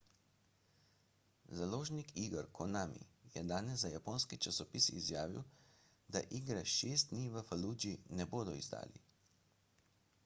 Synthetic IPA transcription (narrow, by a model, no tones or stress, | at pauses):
zaloːʒnikʰiːɡəɾkʰɔnaːmḭjɛd̪aːnɛzzajapoːnskit͡ʃasɔpiːsiːzjaːʋḭw | d̪a̰ʔiːɡɾaʃest̪̚niːʋəfalud͡ʒinɛboːd̪ɔḭzd̪a̰ːlḭ